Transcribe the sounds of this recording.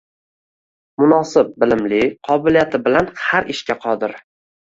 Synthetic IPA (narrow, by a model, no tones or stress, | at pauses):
mʊnɒsɪp̚bɪlɪmlɪqʰɒbɪlijat̪ʰɪbɪlanhaɾɪʃkʲaqʰɒd̪ɪɾ